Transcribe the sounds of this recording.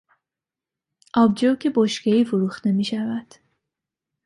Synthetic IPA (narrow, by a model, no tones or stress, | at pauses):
ʔɒːbd͡ʒowkʰeboʃkeiːfuɾuːxt̪emiːʃævæd̪̥